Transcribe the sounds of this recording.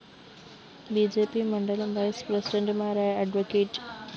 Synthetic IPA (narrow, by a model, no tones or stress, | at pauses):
bid͡ʑepiːməɳɖəlʋajspɾəsiɖə̃ɳʈmaɾajaɖʋokeːʈ